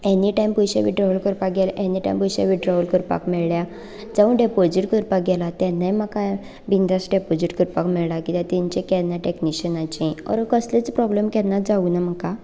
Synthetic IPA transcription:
ẽniʈajmpujɕa̰ʋiʈɾaʋəlkəɾpak̚ɡɛlʔeniʈa̰jmpujɕa̰ʋiʈɾaʋulkəɾpa̰kmɛɭlja | d͡zaʋəɳɖepod͡ʑiʈkəɾpak̚ɡɛlat̪ɛnajmaka | bind̪asɖepod͡ʑiʈkəɾpakmɛɭlakit̪jãt̪iɲt͡ɕẽkɛnːaʈekniɕənat͡ɕĩɔ̰ɾkəslet͡spɾɔblemkɛnːad͡zaunam̤əka

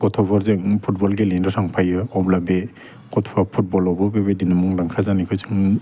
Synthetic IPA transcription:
ɡɔtʰɔbɔɾzeŋpʰut̚bɔlɡelindɔsʰaŋpʰajɯɔblabe | ɡ̥ɔtʰɔbapʰut̚bɔlɔbɔbebedinamɔŋlaŋkʰazanikʰɯzɯŋ

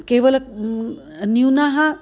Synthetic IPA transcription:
keːʋəl | njunaɦa

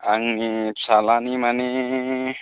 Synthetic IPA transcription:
aŋnit͡sʰalanimane

